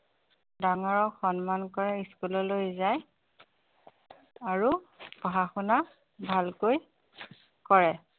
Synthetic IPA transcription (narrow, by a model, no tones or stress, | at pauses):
daŋaɹɔxɔnmankɔɹɛiskulɔlojzaj | aɹupɔɦaxuna | bʱalkoj | kɔɹɛ